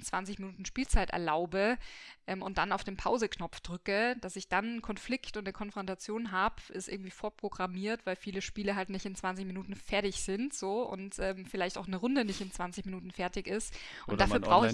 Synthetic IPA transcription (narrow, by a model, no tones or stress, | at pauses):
nt͡sv̥ant͡sɪçminuːtn̩ʃpiːlt͡saɪtʔɛ̰ɐla̰ʊbəʔɛːmʊnt̚d̥anaʊfd̥eːnpʰaʊzəknɔpp͡fd̥ʁʏkəd̥asɪçd̥annkʰɔnflɪktʊntnəkʰɔnfʁ̥ɔntat͡sjoːnɦaːbʔɪstʔɪɐɡŋ̩tv̥iːfoːɐpʁ̥oɡʁamiːɐtv̥aɪlfiːləʃpiːləɦaltnɪçtɪnt͡sv̥ant͡sɪçminuːtn̩fɛɐtɪçz̥ɪntz̥oːʊ̰ntʔɛːmfɪlaɪçtaʊxnəʁʊndənɪçtɪnt͡sv̥ant͡sɪçminuːtn̩fɛɐtɪçɪst | ʔʊʊntd̥aːfyːɐbʁaʊx